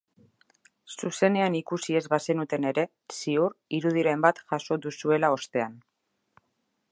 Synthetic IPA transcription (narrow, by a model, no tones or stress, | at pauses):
suse̞ne̞anikusie̞zβase̞nut̪e̞ne̞ɾe̞ | siuɾiɾuð̞iɾe̞mbat̪ʝaso̞ðusue̞lao̞st̪e̞an